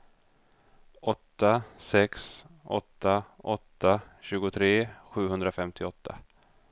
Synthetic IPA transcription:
ʔɔt̪ːasɛksɔ̰t̪ːaʔɔt̪ːaɕʉ̟ːɡʊt̪ʰɾeːɧʉ̟ːɦɵnd̪ɾafɛmt̪ʰɪɔt̪ːa̰

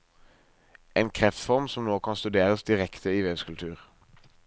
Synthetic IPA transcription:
eːnkʰʁɛft̪fɔʁmsɔmnoːkʰɑnst̪ʉd̪eːʁəsd̪ɪʁɛkt̪ʰəiːʋeːʋskʉlt̪ʰʉːʁ

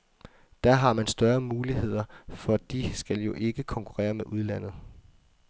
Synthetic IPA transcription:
d̥æɦɑ̈mænsd̥ɶɐmuːliɦe̝ð̞̰ˠɐfɒ̽d̥isɡ̥æljo̝ʔe̝ɡ̥əkʰɒ̽ŋkʰuʁɛ̰ːɐmeʔuð̞ˠlæn̰ð̞̩ˠ

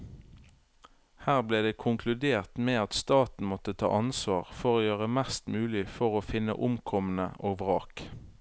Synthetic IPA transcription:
hæːʁbleːd̪eːkʰʊŋkʰlʉd̪eːʁt̪meːɑt̪st̪ɑːt̪n̩mɔt̪ət̪ʰɑ̰ːʔɑnsʋɑːʁfɔʁoːjøːʁəmæst̪mʉːlɪfɔʁoːfɪnə̰ʔʊmkʰɔmən̩ə̰ʔoːɡʋʁɑːk

